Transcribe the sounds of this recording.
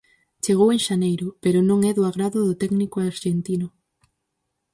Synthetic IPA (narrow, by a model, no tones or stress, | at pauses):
t͡ʃeɣoweŋʃanejɾʊpeɾʊnõŋɛðʊaɣɾaðʊðʊt̪ɛknikʊaɾʃent̪inʊ